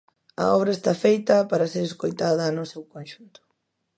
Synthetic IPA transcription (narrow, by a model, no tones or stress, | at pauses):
ɐ̰ɔβɾɐest̪afejt̪ɐpaɾɐseɾeskojt̪aðɐnʊsewkonʃunt̪ʊ̥